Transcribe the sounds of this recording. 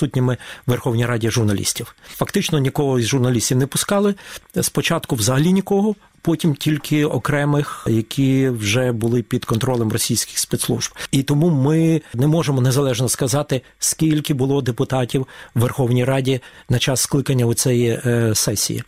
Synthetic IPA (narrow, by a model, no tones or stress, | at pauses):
sut̚ʲnʲɪmɪʋerxɔwnʲijɾɑdʲiʒʊrnɐlʲḭsʲtʲiwfɐkt̪ɪt͡ʃnɔnʲikɔɦɔzʒʊrnɐlʲisʲtʲiwnɛpʊskɑlˠɪspɔt͡ʃɑt̪kʊwzɐɦɐlʲinʲikɔɦɔ | pɔtʲimtʲilʲkʰɪɔ̰kɾɛmɪxjɐkʲʰiwʒɛbʊlˠɪpʲid̪kɔnt̪ɾɔlˠɛmrɔsʲijsʲkʲɪ̥xspɛt̪slˠṵʒbit̪ɔmumɪnɛmɔʒemɔnezɐlˠɛʒnɔskɐzɑt̪ɪ | skʲilʲkɪbʊlˠɔd̪epʊt̪ɑtʲiwːerxɔwnʲijɾɑdʲinɐt͡ʃɑsːklˠɪkɐnʲːɐʊt͡s̪ʲɛjisɛsʲḭjḭ